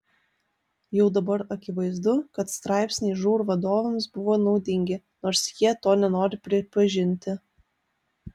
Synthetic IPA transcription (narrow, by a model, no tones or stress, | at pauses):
jɛʊd̪ɐbɐɾɐkʲɪʋɐɪzd̪ʊkɐt̪st̪ɾɑˑɪpʲsʲnʲeɪʒuːɾuʋɐd̪oːʋʲɛmsbʊʋoːnɒʊd̪ʲɪŋʲɡʲɪ | noːɾsjiɛt̪oːnʲɛnoːɾʲɪpʲɾʲɪpɐʒʲɪnʲt̪ʲɪ